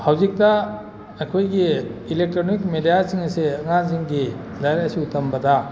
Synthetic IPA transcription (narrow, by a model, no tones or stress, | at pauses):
hawzik̚tɐ | ɐkʰojɡiilek̚tɾonikmedijaziŋɐsiɐŋaziŋɡi | lajɾsitʰɐmbɐdɐ